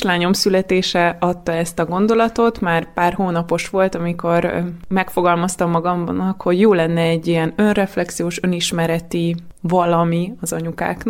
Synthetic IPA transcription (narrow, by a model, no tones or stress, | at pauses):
ʃlaːɲo̞msylɛt̪eːʃɛɒt̪ːɒɛst̪ɒɡo̞nd̪o̞lɒt̪o̞t̪maːrpaːrhoːnɒpo̞ʃʋo̞lt̪ɒmiko̞rmɛkfo̞ɡɒlmɒst̪ɒmːɒɡɒmnɒkho̞ɟjoːlɛnːɛɛɟːiɛnø̞nrɛflɛksijoːʃø̞niʃmɛɾɛt̪ivɒlɒmiɒzɒɲuka̰ːkn